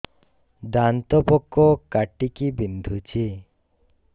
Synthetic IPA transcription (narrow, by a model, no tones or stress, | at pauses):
d̪ant̪ɔpɔkːɔkaʈikibind̪ʱut͡ʃʰi